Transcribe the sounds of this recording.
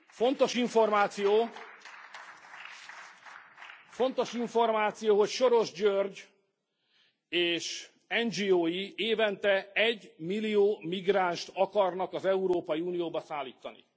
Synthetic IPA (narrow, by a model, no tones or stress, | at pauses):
fo̞n̪t̪o̞ʃiɱfo̞rmaːt̪sijoː | fo̞n̪t̪o̞ʃiɱfo̞rmaːt̪sijoːɦo̞cʃo̞ɾo̞ʒɟørɟ | eːʃ | ɛnd͡ʒiːoːjieːvɛnt̪ɛɛɟːmilːijoːmiɡraːnʃt̪ɒkɒrnɒkɒzɛuɾoːpɒjiuːnijoːbɒsaːlːiːt̪ːɒnḭ